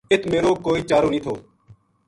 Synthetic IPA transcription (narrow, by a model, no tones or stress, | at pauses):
ɪt̪ʰmeːɾoːkoːiːt͡ʃaːɾoːnĩːt̪ʰoː